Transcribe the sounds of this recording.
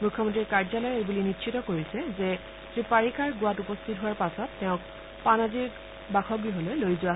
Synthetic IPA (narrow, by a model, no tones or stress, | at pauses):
mukʰːɔmɔntɹikaɹzalɔjebulinitːʃʰitɔkoɹisɛzɛ | sɹipaɹikaɹɡʊwatupɔstʰit̚ɦʊwaɹpasɔtːɛʊ̃k̚ | panaziɹ | baxʰɔɡiɦolojlojzʊa